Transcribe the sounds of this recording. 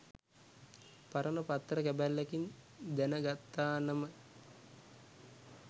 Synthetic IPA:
paɾənəpat̪ːrəkæbælːækin | d̪ænəɡat̪ːaːnɐmə

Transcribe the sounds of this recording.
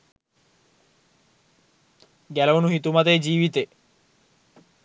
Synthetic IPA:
ɡælɐunuɦit̪umɐt̪eːd͡ʒiːʋit̪e

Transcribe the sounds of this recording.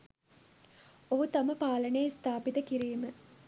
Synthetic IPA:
oɦut̪aməpaːlənejist̪aːpit̪əkiɾiːmə

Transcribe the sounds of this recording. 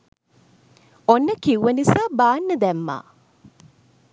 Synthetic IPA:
onːəkiwʋənisaːbaːnːəd̪æmːa̰ː

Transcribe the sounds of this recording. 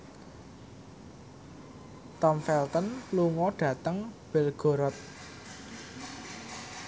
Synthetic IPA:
t̪ɔmfɛlt̪ənluŋɔɖ̥ä̤t̪əŋb̥elɡ̥o̤ɾɔt̪̚

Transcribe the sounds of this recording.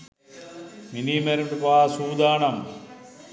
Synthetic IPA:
minimeɾɳʈupaːsuːd̪aːɳɐm

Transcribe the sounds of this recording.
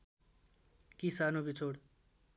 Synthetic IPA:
kisanobit͡sʰoɽ

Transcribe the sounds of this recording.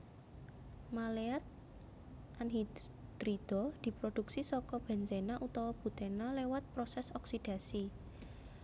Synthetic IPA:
maleat̪̚ | ʔanɦi | d̪̥ɾid̪̥ɔd̪̥i̤pɾod̪̥uksisɔkɔb̥ɛ̤nsenaʔut̪ɔwɔb̥ṳt̪enalewat̪̚pɾɔsɛsɔksid̥a̤si

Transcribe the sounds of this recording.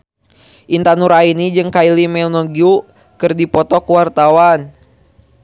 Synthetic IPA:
ʔint̪anuɾainid͡ʒɨŋkailimɛnɔɡiu | kɨrdipɔt̪ɔkuwart̪awan

